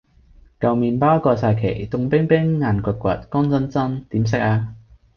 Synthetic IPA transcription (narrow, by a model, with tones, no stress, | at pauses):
kɐ˨wmiː˨˧npaː˥wkɔː˧saː˧jkʰḛ˨˩jt̪ʊ˧ŋpɪ˥ŋpɪ˥ŋːaː˨˧nkʷɐ˨˧t̚kʷɐ̰˨t̚kɔː˥ŋt͡sɐ˥nt͡sɐ˥nt̪iː˨˥ms̬ɪ˥k̚aː˧